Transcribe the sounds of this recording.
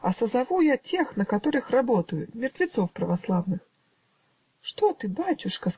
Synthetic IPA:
ɐsɐzavujat͡sʲexnɐkat̪ɔɾɨxrabɔt̪əjʊmʲɪrt̪vʲɪt̪sɔwpɾɐvaslˠavnɨx | ʂt̪ɔt̪ɨbatʲuʂkɐ

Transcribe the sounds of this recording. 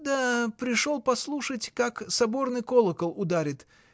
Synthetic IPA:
d̪əpɾʲɪʂo̞lˠpɐslˠuʂətʲkaksɐbo̞rnɨjko̞lˠəkəlˠʊd̪aɾʲɪt̪

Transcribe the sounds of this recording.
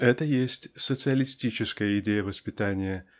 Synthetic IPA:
ɛt̪əjesʲtʲsət̪sɨəlʲɪsʲtʲit͡ɕɪskəjəɪdʲejəvəspʲɪt̪anʲɪjə

